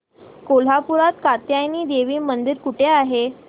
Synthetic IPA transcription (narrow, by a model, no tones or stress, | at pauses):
kol̤apuɾat̪kat̪jajniːd̪eʋiːmənd̪iɾkuʈʰeaɦe